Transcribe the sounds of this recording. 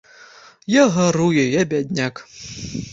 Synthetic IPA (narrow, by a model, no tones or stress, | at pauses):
jaɦaɾujɛjabʲadʲnʲak